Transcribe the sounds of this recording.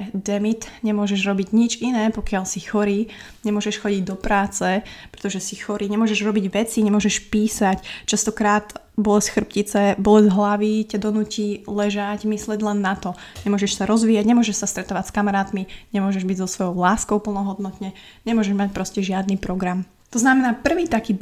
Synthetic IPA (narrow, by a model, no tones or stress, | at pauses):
d̪ɛmit̪ɲɛmʊɔʒɛʒɾɔbiɟɲid͡ʒinɛːpɔkɪalsixɔɾiː | ɲɛmʊɔʒɛʃxɔɟiɟd̪ɔpɾaːt͡sɛpɾɛt̪ɔʒɛsixɔɾiːɲɛmʊɔʒɛʒɾɔbiɟʋɛt͡siɲɛmʊɔʒɛʃpiːsact͡ʃast̪ɔkɾaːt̪ | bɔlɛsxr̩pcit͡sɛbɔlɛzɦlaʋicɛd̪ɔnuːcilɛʒaɟmislɛɟlɛnːat̪ɔɲɛmʊɔʒɛʃsaɾɔzʋiːaɟɲɛmʊɔʒɛʃsast̪ɾɛt̪ɔʋacskamaɾaːt̪miɲɛmʊɔʒɛʒbiɟzɔsʋɔjɔʊlaːskɔʊpl̩nɔɦɔd̪nɔt̪ɲɛ | ɲɛmʊɔʒɛʒmac̚pɾɔscɛʒɪad̪niːpɾɔɡɾam | t̪ɔznamɛnaːpr̩ʋiːt̪akiː